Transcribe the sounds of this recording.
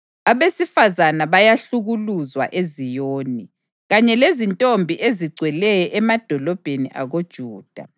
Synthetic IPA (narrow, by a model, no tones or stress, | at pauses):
aβesifazanaβajaɬuɣuluzwa̰ʔezijoːni | ɣaɲɛlezintʼombʱiʔeziɡ͡ǀʱwɛlɛjɔʔɛmad̥ʱɔlɔb̥ʱenḭʔa̰ɣod̥ʒ̥ʱuːd̥ʱa